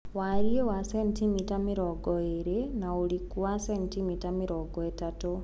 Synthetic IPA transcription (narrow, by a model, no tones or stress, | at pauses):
waɾiewasɛntimitamiɾɔɡɔeɾenauɾikuwasentimitamiɾɔɡɔetato